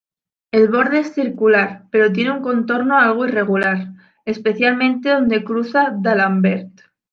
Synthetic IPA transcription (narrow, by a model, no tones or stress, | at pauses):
e̞lβo̞ɾð̞e̞esθiɾkulaɾpe̞ɾo̞t̪̬je̞neuŋko̞nt̪o̞ɾnoalɣ̞oire̞ɣ̞ulaɾ | e̞spe̞θjalmẽnt̪e̞ðo̞nd̪e̞kɾuθad̪alambeɾt̪